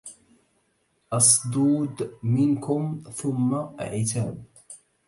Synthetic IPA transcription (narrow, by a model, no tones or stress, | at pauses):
ʔɑsˤd̪ˤuːd̪mɪnkʊmθʊmːaʔa̰ʕɪt̪aːb̚